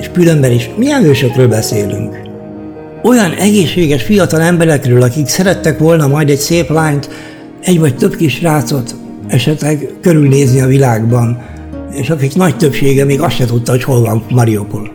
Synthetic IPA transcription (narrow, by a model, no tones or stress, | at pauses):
eʃkylømbɛneːʃmijɛnhøːʃøkrøːlbɛseːly̰ŋk | o̞jɒnɛɡeːʃːeːɡɛʃfijɒt̪ɒlɛmbɛɾɛkrøːlɒkiksɛɾɛt̪ːɛkʋo̞lnɒmɒjd̪ɛɟseːplaːɲt̪ | ɛɟʋɒc̚t̪ø̞bkiʃraːt̪so̞t̪ | ɛʃɛt̪lɛɡkøɾylneːzniɒvilaːɡbɒn | eːʃɒkiknɒct̪øpʃeːɡɛmeːɡɒst̪ʃɛt̪ut̪ːɒɦo̞cho̞lvɒnmɒɾiopul